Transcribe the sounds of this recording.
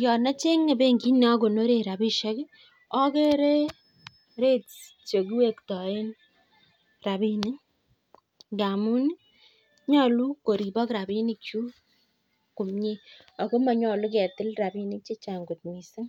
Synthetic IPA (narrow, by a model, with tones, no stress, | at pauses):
jɔ˨na˦t͡ʃe˦ŋe˨be˦ŋɡi˦n˦a˦ko˨no˦ɾe˨ɾa˨bi˦ʃɛ˦k | ɔ˦ke˦ɾe˦ | ɾe˦t | t͡ʃo˨ki˦we˦˨ktɔ˨e˦n | ra˨bi˦ni˦ | nda˨mu˦ni˦ | ɲɔ˦˨lu˦ko˨ɾi˨bɔ˦kɾa˨bi˦ni˦k̚t͡ʃu˦ | ku˨mɲe˦ | ɔ˨ko˦ma˨ɲɔ˨lu˦kɛ˨tɪ˦lra˨bi˦nɪ˦k̚t͡ʃe˦t͡ʃa˨ŋɡu˨t̚mi˨sɪ˦ŋ